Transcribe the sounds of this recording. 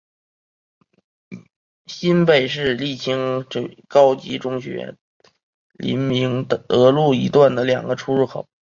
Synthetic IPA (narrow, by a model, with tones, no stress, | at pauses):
ɕi˥npe˨˩ɪʂɻ̩˥˧li˥˩t͡ɕʰi˥ŋʈ͡ʂkɑ˥ʊt͡ɕi˧˥ʈ͡ʂʊ˥ŋɕɥɛ̰˧˥ | lḭ˧˥nmi˧˥ŋəɤ˧˥lu˥˩i˧˥t̪wa˥˩nd̪ə˩ljɑ̰˨˩ŋɡə˦ʈ͡ʂʰu˥ɻu˥˩xʰo˨˩˦